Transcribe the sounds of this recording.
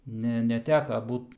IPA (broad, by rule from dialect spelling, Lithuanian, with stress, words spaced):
ˈnʲɛ nʲɛˈtʲæːkɐ ˈbuːt